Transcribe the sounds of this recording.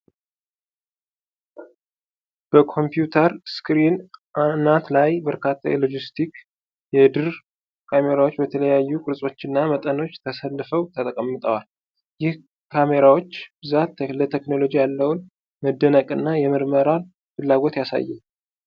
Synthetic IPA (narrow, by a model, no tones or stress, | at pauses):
b̥əkʰo̞mpjut̪ʰəɾskɾinanat̪lajbəɾkʰat̪ʰːa̰jḛlo̞d͡ʒist̪ʰik | jɛd̪ɨɾ | kʰame̞ɾawo̞t͡ʃːbət̪ʰələjajːukʼɨɾsʼo̞t͡ʃːɪnːamət̪ʼəno̞t͡ʃːt̪ʰəsəlːfəwt̪ʰət̪ʼəkʼəmːɨt̪ʼəwal | jɪh | kʰame̞ɾawo̞t͡ʃːb̥ɨzat̪ːlət̪ʰekno̞lo̞d͡ʒijalːəwʊn | məd̪ːənəkʼɨnːajɛməɾməɾal | fɨlːaɡo̞t̪jasa̰jːɛm